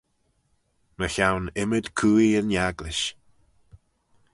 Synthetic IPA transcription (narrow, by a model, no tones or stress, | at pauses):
məçawnɪməd̪kʰuːiəɹnjaɡlɪʃ